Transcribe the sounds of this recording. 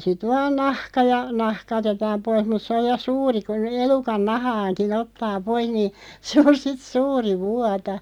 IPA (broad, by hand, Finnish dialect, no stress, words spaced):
sit ʋɑːn nɑhkɑ jɑ nɑhkɑ otetɑːm pois mut sĕ oj jɑ suːri kun elukɑn nɑhɑːnkin otːɑː poih̆ niː se on sit suːri ʋuɑtɑ